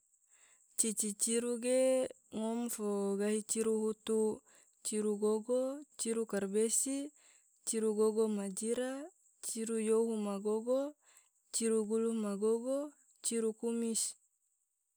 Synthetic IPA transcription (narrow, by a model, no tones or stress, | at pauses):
t͡ʃit͡ʃit͡ʃiɾuɡe | ŋɔmfoɡaɦit͡ʃiɾuɦut̪u | t͡ʃiɾuɡoɡot͡ʃiɾukarbesi | t͡ʃiɾuɡoɡomad͡ʒiɾa | t͡ʃiɾujoɦumaɡoɡo | t͡ʃiɾuɡulumaɡoɡo | t͡ʃiɾukumis